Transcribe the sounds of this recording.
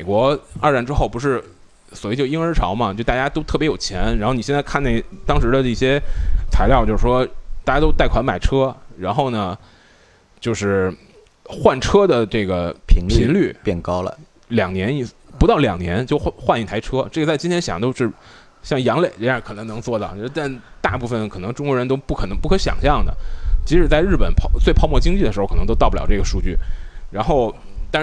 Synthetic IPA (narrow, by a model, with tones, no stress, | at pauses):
me˨˩ɪkwɔ˧˥ə˞˥˧ɻa˧˩nʈ͡ʂɻ̩˥xo˥˩ʊpu˧˥ʂ̬ɻ̩˥˩ | swi˥˩t͡ɕjo˥˩ʊi˥ŋə˞˧˥ʈ͡ʂʰɑ˧˥ʊmɐ˨t͡ɕjʊt̪a˥˩ja˥t̪o˥ʊt̪ʰɤ˥˩pjjo˨˩ʊt͡ɕʰjɛ˧˥nɻa˧˥nxo˥˩ʊni˨˩ɕjnt͡sa˥˧kʰa˥˩na˥˩t̪ɑ˥ŋʂɻ̩˧˥d̪ə˧i˥˩ɕjɛ˥t͡sʰa˧˥ɪt̪ɑ˥˧ʊt͡ɕjo˥˧ʊʂ̩ɻ̩˥˩ʂwɔ˥t̪a˥˩t͡ɕja˥t̪o˥ʊt̪a˥˩ɪkʰwa˧˥nma˨˩ɪʈ͡ʂʰɤ˥ɻa˧˥nxo˥˩ʊnə˩ | t͡ɕjo˥˧ʊʂɻ̩˥˩ | xwa˥˩nʈ͡ʂʰɤ˥d̪ə˨ʈ͡ʂɤ˥˩ɡə˩pʰi˧˥ŋʰi˧˥ŋly˥˩pjɛ˥˩nkɑ˥ʊlə̰˨ | ljɑ˨˩ŋnjɛ˧˥ni˨˩ | pu˧˥t̪ɑ˥˩ʊljɑ̰˨˩ŋnjɛ˧˥nt͡ɕjo˥˧ʊ˥xwa˥˧ni˩t̪ʰa˧˥ɪʈ͡ʂʰɤ˥ʈ͡ʂɤ˥˩ɡə˩t͡sa˥˩ɪt͡ɕi˥nt̪ʰjɛ˥nɕjɑ˨˩ŋt̪o˥ʊʂɻ̩˥˧ | ɕjɑ˥˩ŋjɑ˧˥ŋle˨˩ɪ˥a˥˩kʰɤ˨˩nɤ˧˥ŋnɤ˧˥ŋt͡swɔ˥˧˩t̪ɑ˥˩˥t̪a˥˧nt̪a˥˧pu˥˩fə˩nkʰɤ˨˩nɤ˧˥ŋʈ͡ʂʊ˥ŋkwɔ˧˥ɻə˧˥nt̪o˥ʊpu˥˩kʰɤ˨˩nɤ˧˥ŋpu˥˩kʰɤ˧˥ɕjɑ̰˨˩ŋɕjɑ˥˩ŋd̪ə̰˩t͡ɕi˧˥ʂɻ̩˨˩t͡sa˥˧ɪɻ̩˥˩pə˨˩˦npʰɑ˥t͡swe˥˧ɪpʰɑ˥˧mwɔ˥˧˩t͡ɕi˥ŋt͡ɕi˥˩də˩ʂɻ̩˧˥˩kʰɤ˨˩nɤ˧˥t̪o˥ʊɑ˥˩pu˥lj̰ɑ˨˩ʈ͡ʂɡə˩ʂu˥˧t͡ɕy˥˩ɻa˧˥nxo˥˧ʊ | t̪a˥˧